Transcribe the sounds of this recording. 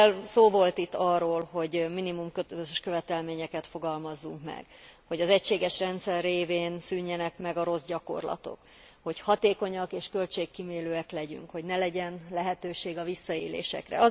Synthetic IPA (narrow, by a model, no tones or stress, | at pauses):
lsoːvo̞lt̪it̪ːɒrːoːlho̞ɟminimumkøt̪øløzeʃkøvɛt̪ɛlmeːɲɛkɛt̪fo̞ɡɒlmɒzːuŋkmɛ̰ɡ̥ho̞ɟɒzɛcʃeːɡɛʃrɛnt̪sɛrːeːveːnsyɲːɛnɛkmɛɡɒɾo̞zɟɒko̞̰rlɒ̰t̪o̞̰k | ho̞chɒt̪eːko̞ɲɒkeːʃkø̞lt͡ʃeːkːimeːløːɛklɛɟy̰ŋkho̞ɟnɛlɛɟɛnlɛɦɛt̪øːʃeːɡɒvisːɒeːlḛːʃɛ̰krɛ̰ɒ